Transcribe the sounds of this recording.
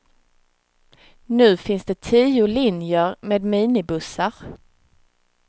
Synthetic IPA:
nʉ̟ːfɪnsd̪ɛt̪ʰiːʊlɪnjəɾmeːd̪miːnɪbɵsaɾ

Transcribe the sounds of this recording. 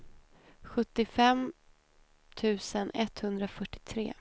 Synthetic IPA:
ɧɵt̪ːɪfɛm | t̪ʰʉ̟ːsənɛt̪hɵnd̪ɾafœʈːɪ̥t̪ʰɾḛː

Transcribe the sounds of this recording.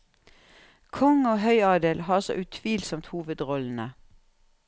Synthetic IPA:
kʰɔŋoːhœʏɑːd̪eːlhɑːɔsɔ̰ʔʉt̪ʰʋiːlsɔmt̪huːʋəd̪ʁɔln̩ə

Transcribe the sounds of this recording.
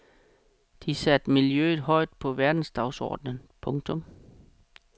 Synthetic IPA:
d̥isæd̥miljø̰ːð̩ˠɦɒ̽ɪ̰d̥̚pʰɒ̽ʋæɐd̥n̩sd̥ɑ̈ʊsɒ̰ːd̥nənpʰɔ̽ŋt͡sʰɔ̽m

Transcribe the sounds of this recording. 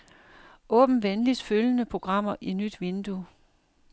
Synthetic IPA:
ʔɔ̰̽ːb̥n̩ʋenlid̥føljənəpʰʁo̝ɡ̥ʁɑ̈m̰ɐʔinyd̥ʋe̝nd̥u

